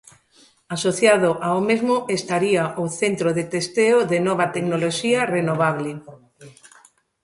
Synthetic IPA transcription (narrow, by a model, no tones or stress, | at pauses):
asoθjaðʊʔaomezmʊʔest̪aɾiaʔoθent̪ɾoðet̪est̪eoðenɔβ̞ɐt̪eknoloʃiɐrenoβaβlɪ